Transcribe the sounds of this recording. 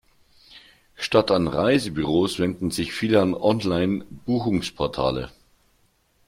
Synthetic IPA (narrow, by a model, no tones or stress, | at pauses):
ʃtatʰanʁaɪzəbyʁoːsv̥ɛndn̩zɪçfiːləanʔɔnlaɪnb̥uːxʊŋspʰɔɐtʰa̰ːlə̰